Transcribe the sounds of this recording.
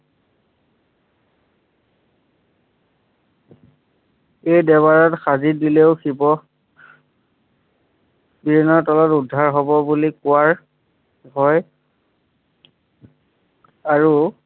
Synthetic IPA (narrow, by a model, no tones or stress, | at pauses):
ejdɛbaɹɔtxazidileʊxibɔ | bibʱinːɔtɔlɔtudʱːaɹɦɔbɔbulikʊwaɹ | ɦɔj | aɹu